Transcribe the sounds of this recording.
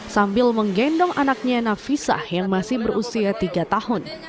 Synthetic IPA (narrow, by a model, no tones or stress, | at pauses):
sambɪlməŋɡɛndɔŋanak̚ɲanafisa̰hjaŋmasɪhbəɾusiat̪iɡat̪ahʊn